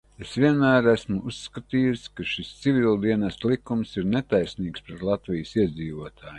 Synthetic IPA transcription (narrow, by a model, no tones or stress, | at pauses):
esʋʲiɛnmæːɾæsmuusːkat̪iːjuskaʃist̪sivʲilˠd̪iɛnast̪lˠikumsiɾnet̪ajsniːkspɾet̪lˠɑt̪vijsiɛd̪ziːʋuɔt̪ʰaːj